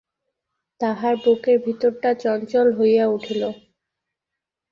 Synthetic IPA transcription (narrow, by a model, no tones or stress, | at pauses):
t̪aɦaɾbokeɾbʱit̪oɾʈat͡ɕɔnt͡ɕɔlɦojjauʈʰilo